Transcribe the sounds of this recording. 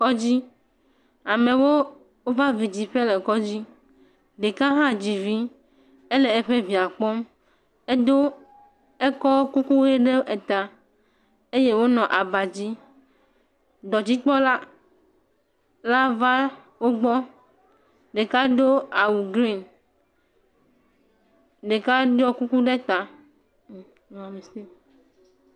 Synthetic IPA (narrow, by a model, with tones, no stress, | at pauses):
kɔ˦d͡ʑi˦ | a˨mẽ˨wo˦ | wo˦va˦vi˨d͡ʑi˨ɸe˦le˨kɔ˦d͡ʑi˦ | ɖe˨ka˦ɦã˦d͡ʑi˨vi˦ | e˦le˨e˦ɸe˦vi˨a˨k͡pɔ˦m | e˦d̪o˦ | e˦kɔ˦wo˦ku˦ku˦e˦ɖe˦ʔe˨t̪a˨ | e˦je˦wo˦nɔ̃˨ʔa˨ba˨d͡ʑi˦ | ɖɔ˨d͡ʑi˦k͡pɔ˦la˦ | la˦va˦ | wo˦ɡ͡bɔ˦ | ɖe˨ka˦ɖo˦a˨wu˨ɡɾi˦n | ɖe˨ka˦ɖɔ˦ku˦ku˦ɖe˦t̪a˨ | a˨me˨se˦˨